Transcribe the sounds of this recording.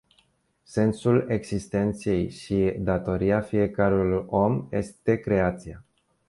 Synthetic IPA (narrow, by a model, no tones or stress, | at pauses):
se̞nsule̞ɡz̥ist̪e̞nt̪se̞jʃid̪at̪o̞ɾiafije̞kəɾulo̞mje̞̰st̪e̞kɾe̞at̪sia